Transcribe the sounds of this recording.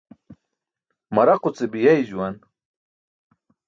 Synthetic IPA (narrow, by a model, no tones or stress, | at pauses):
mɐɾɐqut͡sebijajd͡ʑuwan